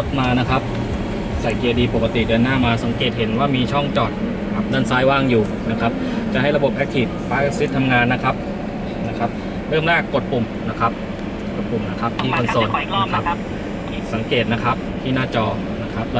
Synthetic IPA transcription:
o˦˥t̪̚maː˧na˦˥kʰa˦˥p̚ | sa˨˩jki˧˩ədiː˧po˨˩kːa˧t̪i˨˩dɯː˧ənːaː˥˩maː˧sa˩˦ŋkeː˨˩t̪̚he˩˦nwaː˥˩miː˧t͡ɕʰɔ˥˩ŋt͡ɕɔː˨˩t̪̚ | ka˨˩p̚naː˥˩˨nsaː˦˥jwaː˥˩ŋjuː˨˩ | na˦˥kʰa˦˥p̚t͡ɕa˨˩ʔɦa˥˩jɾa˧bo˨˩p̚ʔɛ˦˥k̚t̪ʰiː˨˩p̚paː˦˥ʔe˧˥k̚si˦˥t̪ʰːa˧mŋaː˧nːa˦˥kʰa˦˥p̚ | na˦˥kʰa˦˥p̚ | ɾɯ˥˩əmlaː˥˩kkːo˨˩t̪̚pu˨˩mna˦˥kʰa˦˥p̚ | ko˨˩t̪̚pu˨˩mna˦˥kʰa˦˥p̚t̪ʰiː˥˩kʰo˧nsoː˧˩nna˦˥kʰa˦˥p̚ | ʔiː˨˩k̚sa˩˦ŋkeː˨˩t̪̚na˦˥kʰa˦˥p̚t̪ʰiː˥˩naː˥˩t͡ɕɔː˧ | na˦˥kʰa˦˥p̚l

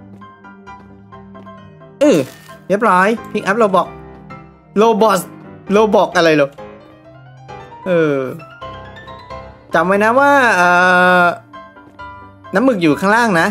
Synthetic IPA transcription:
ʔɯː˨˩we˦˥˩p̚ɾɔː˦˥jpʰi˦˥k̚ʔa˦˥p̚loː˧bɔː˨˩k̚ | loː˧bɔ˨˦˩sloː˧bɔː˨˩k̚ʔa˧ɾɤː˧jloː˧˩ | ʔɯː˧˩ | t͡ɕa˨˩mmaː˧jna˦˥waː˥˩ʔɤː˨˩ | na˦˥mːɯ˨˩k̚juː˨˩kʰaː˥˩ŋlaː˥˩ŋna˦˥ʔ

